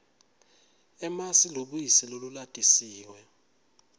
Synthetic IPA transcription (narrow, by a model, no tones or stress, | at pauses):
ɛmasiloɓujisilolulatʼisiːwɛ